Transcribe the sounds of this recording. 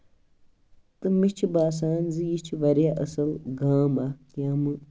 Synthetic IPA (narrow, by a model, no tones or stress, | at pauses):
t̪ɨmit͡ʃʰibaːs̬aːnzijit͡ʃʰʋɐɾjaʔɐsɐlɡaːmakjãːmɨ